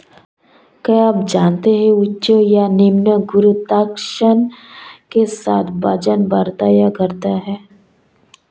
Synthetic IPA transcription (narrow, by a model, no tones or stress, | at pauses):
kɐab̚d͡ʒaːnt̪eɦɛ̃ʊtːʃojanɪmnəɡʊɾut̪aːkʃənkesaːt̪ʰbɐd͡ʒənbaɾt̪ajaɡəɾt̪aɦɛː